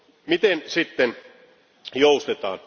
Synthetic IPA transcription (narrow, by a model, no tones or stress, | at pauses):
mit̪ensit̪ːen | joust̪et̪ɑ̰ːn